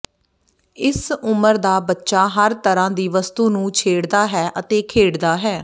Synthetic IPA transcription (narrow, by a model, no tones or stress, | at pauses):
ɪsʊməɾd̪aːbətːʃaːɦəɾt̪əɾãːd̪iːʋəst̪uːnũːt͡ʃʰeːɽd̪aːɦɛːʔət̪eːkʰeːɽd̪aːɦɛː